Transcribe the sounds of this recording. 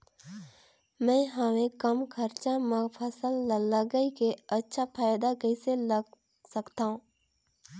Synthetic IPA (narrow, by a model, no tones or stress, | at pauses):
mɛ̃ːɦəmẽkɐmkʰəɾt͡ʃamə̃pʰəsəlːləɡəikeɐtːʃʰapʰaːjd̪akəiseləɡ | sɐkt̪aɦũː